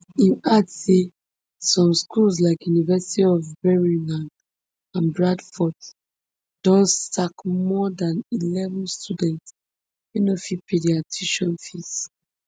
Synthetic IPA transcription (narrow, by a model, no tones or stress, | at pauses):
ĩnatse | sɔ̃mskʰuls̬laɪkjunivɛsi̥tiɔvbɛɹĩlãnd | ãnbɹadfɔt | d̥ɔ̃nstakmɔdãnilɛvɔ̃nstudɛ̃nts | jinofipʰediatʰiʃɔ̃nfis